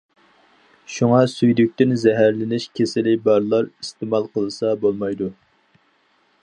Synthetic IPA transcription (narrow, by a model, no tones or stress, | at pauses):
ʃuŋɑsyjd̪yk̚ʲt̪ɪnzɛɦæɾlɪnɪʃkʲʰesɪlɪbɑɾlˠɑɾist̪ɨmɑlˠqəlˠɨsɑbolˠmɑjd̪u